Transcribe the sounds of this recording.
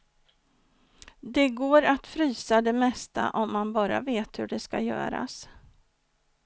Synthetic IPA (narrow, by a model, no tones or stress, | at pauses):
d̪ɛɡoːɾat̪fɾyːsad̪ɛmɛst̪a̰ʔɔmːanbɑːɾa̰veːt̪hɵɖɛskajœ̰ːɾa̰s